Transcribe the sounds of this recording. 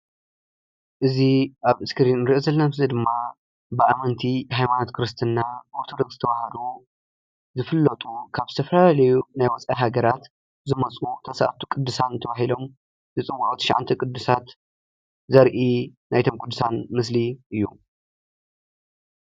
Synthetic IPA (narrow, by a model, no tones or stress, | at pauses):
ʔɨziʔaβɨskɨɾinɾɨʔizɐlːɐfzɐd̪ɨmːa | bɨamɐnt̪ʰihajmanot̪kʰɨɾɨst̪ʰɨnːaboɾt̪ʰod̪oɡzɨt̪ʰɐβahɐlu | zɨfɨlːɐt̪ʼukʰaβzɨt̪ʰɐfɐlalalɐjunajwɔt͡sʼajɦaɡɐɾat̪ | zɨmɐt͡sʼut̪ʰɐsa̰ʔt̪ʰu̥kʼɨd̪ːɨsant̪ʰɐβahilo̞m | zɨt͡sʼɨwːaʔʼut̪ʰɐ̥ʃa̰ʕa̰nt̪ʰikʼɨd̪ːɨsat̪ | zɐɾʔinajt̪ʰo̞mkʼud̪ːɨ̥sanmɨs̬liʔɨjːṵ